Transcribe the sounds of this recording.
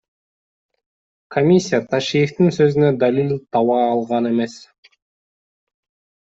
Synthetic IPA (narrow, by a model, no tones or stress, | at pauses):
kʰomʲisʲːijat̪ʰaʃijəft̪insø̞zynød̪alʲilʲt̪ʰɑwɑːlˠʁɑne̞me̞s